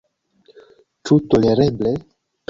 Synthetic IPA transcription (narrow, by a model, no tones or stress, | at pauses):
t͡ʃut̪oleɾeble | p